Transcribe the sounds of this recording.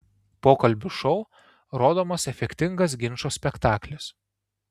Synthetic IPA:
poːkɐlʲbʲʊʃɔʊ | ɾoːd̪oːmɐsɛfʲɛkʲt̪ʲɪŋɡɐs̬ɡʲɪnʃoːsʲpʲɛkt̪ɑːklʲɪs

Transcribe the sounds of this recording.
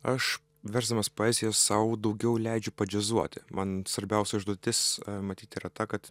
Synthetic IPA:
ɐʃ | ʋʲɛɾzd̪ɐmɐspoːɛzʲɪjɛssɐʊd̪ɐʊɡʲɛʊlʲɛɪd͡ʒʲʊpɐd͡ʒʲɛzuɔt̪ʲɪmɐnsʋɐɾʲbʲɛʊsʲɛʒd̪uɔt̪ʲɪsmɐt̪ʲiːt̪iːɾɐt̪ɐkɐt̪

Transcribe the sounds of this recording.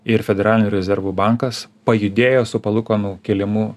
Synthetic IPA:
ɪɾfʲɛd̪ʲɛɾɑːlʲɪnʲuːɾʲɛzʲɛɾʋuːbɑˑŋkɐspɐjʊd̪ʲeːjoːsʊpɐlˠʊkoːnuːkʲelʲɪmʊ

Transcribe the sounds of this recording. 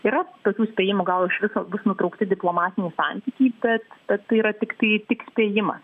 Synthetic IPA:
iːɾɐt̪oːkʲuːsʲpʲeːjɪmʊɡɐlˠɪʃʋʲɪsoːbʊsnʊt̪ɾɐʊkt̪ʲɪdʲɪplˠoːmɑːt̪ʲɪnʲiːsɑnʲt̪ʲiːkʲiːbʲɛt̪b̥ʲɛt̪tːɐɪiɾɐt̪ʲɪkt̪ɐɪt̪ʲɪksʲpʲeːjɪmɐ̰s

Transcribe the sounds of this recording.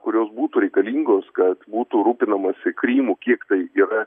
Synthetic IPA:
kʊɾʲoːsbuːt̪ʊɾʲɛɪkɐlʲiːŋɡoːskɐt̪buːt̪uɾuːpʲɪnɐmɐsʲɪkɾʲiːmuːkʲiɛkt̪ɐɪiːɾɐ

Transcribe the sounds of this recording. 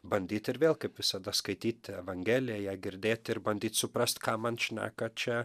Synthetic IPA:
bɐnʲd̪ʲiːt̪ʲɪɾʋʲeːlˠkɐɪpʋʲɪsɐd̪ɐskɐɪt̪ʲiːt̪ʲɛʋɐŋʲɡʲeːlʲɪjɛjæːɡʲɪɾʲd̪ʲeːt̪ʲɪɾbɐnʲd̪ʲiːt̪sʊpɾɐsʲt̪kɑːmɐnʃʲnʲæ̰ːkɐt͡ʃʲɛ

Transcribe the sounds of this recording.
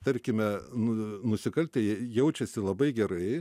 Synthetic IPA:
t̪ɐrʲkʲɪmʲɛnnʊsʲɪkɐlʲt̪ʲɛjɛjɛʊt͡ʃʲɛsʲɪlˠɐbɐɪɡʲɛrɐɪ

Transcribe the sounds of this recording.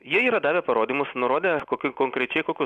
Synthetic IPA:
jiɛiːɾɐd̪ɑːʋʲepɐɾoːd̪ʲimʊsnʊɾoːd̪ʲeːkoːkʲɪkoːŋkɾʲɛt͡ʃʲɛɪkoːkʲʊ

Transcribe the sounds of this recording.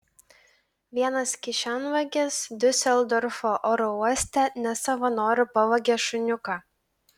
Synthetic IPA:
ʋʲiɛnɐskʲɪʃʲɑnʋɐɡʲesd̪ʲʊsʲɛlˠd̪ɔɾfoːʔoːɾɔuɔsʲt̪ʲɛnʲɛsɐʋɐnoːɾʲʊpɐʋɐɡʲɛʃʊnʲʊkɑː

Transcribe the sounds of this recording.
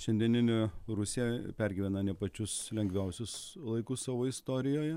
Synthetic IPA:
ʃʲɛnd̪ʲiɛnʲɪnʲɪɾʊsʲiɛpʲæɾʲɡʲɪːʋʲɛnɐnʲɛpɐt͡ʃʲʊslʲɛŋɡʋʲɛʊsʲʊslˠɐɪkʊssɑːʋoːɪst̪oːɾʲɪjoːjɛ

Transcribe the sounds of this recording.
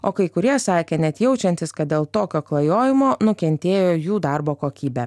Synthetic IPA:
oːkɐɪkʊɾʲiɛsɑːkʲeːnʲɛt̪jɛʊt͡ʃʲɛnʲt̪ʲɪskɐt̪̚d̪ʲeːlˠt̪oːkʲoːklˠɐjoːjɪmoːnʊkʲɛnʲt̪ʲeːjoːjuːd̪ɑɾboːkoːkʲiːbʲɛ

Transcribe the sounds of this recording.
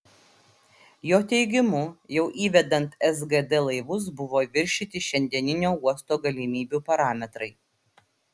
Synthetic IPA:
joːt̪ʲɛɪɡʲɪmʊjɛʊʔiːʋʲɛd̪ɐnt̪ɛzɡɛd̪ɛlˠɐɪʋʊs̬bʊʋoːʋʲɪɾʲʃʲɪt̪ʲɪʃʲɛnʲd̪ʲiɛnʲɪnʲoːuɔst̪oːɡɐlʲɪmʲiːbʲuːpɐɾɑːmʲɛt̪ɾɐɪ

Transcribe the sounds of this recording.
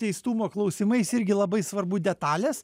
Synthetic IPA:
ɛɪst̪uːmoːklˠɒʊsʲɪmɐɪsɪɾʲɡʲɪlˠɐbɐɪsʋɐɾbʊd̪ʲɛt̪ɑːlʲɛs

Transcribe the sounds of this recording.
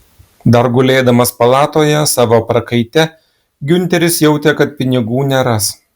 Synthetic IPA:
d̪ɐɾɡʊlʲeːd̪ɐmɐspɐlˠɑːt̪oːjɛsɑːʋoːpɾɐkɐɪt̪ʲɛ | ɡʲʊnʲt̪ʲɛɾʲɪsjɛʊt̪ʲɛkɐt̪̚pʲɪnʲɪɡuːnʲɛɾɐs

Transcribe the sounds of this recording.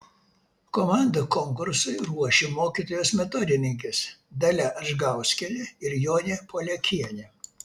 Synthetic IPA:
komɑˑnd̪ɐkɔŋkʊɾsʊɪɾuɔʃʲemoːkʲiːˑt̪oːjoːsmʲɛt̪ɔd̪ʲɪnʲɪŋʲkʲɪsd̪ɐlʲæʔɐʒɡɑˑʊsʲkʲɛlʲɪɪɾjoːnʲepʰoːlʲɛkʲʰiɛnʲe

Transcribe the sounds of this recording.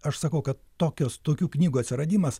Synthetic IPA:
ɐʃsɐkɐʊkɐt̪toːkʲoːst̪oːkʲuːknʲiːɡuɐtʲsʲɪɾɐd̪ʲiːmɐs

